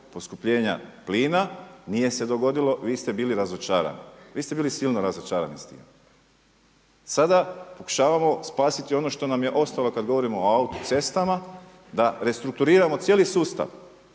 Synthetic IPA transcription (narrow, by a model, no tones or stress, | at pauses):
po̞skupʎe̞ːɲa̰pliːnanije̞se̞d̪o̞ɡo̞d̪ilo̞ʋiːst̪e̞biːliɾazot͡ʃaːɾa̰niʋiːst̪e̞biːlisiːlˠnoɾazot͡ʃaːɾa̰nist̪ḭːm | sad̪apo̞ku̥ʃaːʋamo̞spaːsit̪io̞no̞ʃt̪o̞namje̞ʔo̞st̪alˠo̞kad̪ɡoʋo̞ɾimoaut̪u̥t̪se̞st̪ama | d̪aɾe̞st̪ɾuk̚t̪uɾiːɾamo̞t̪sjelisuːst̪a̰ʋ